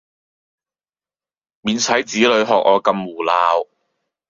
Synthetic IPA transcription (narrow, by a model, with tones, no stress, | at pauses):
miː˨˧nsʰɐ˨˥jt͡siː˨˥lɵ˨˧ɥɦɔː˨k̚ʔɔː˨˧kɐ˧mwuː˨˩laː˨˧w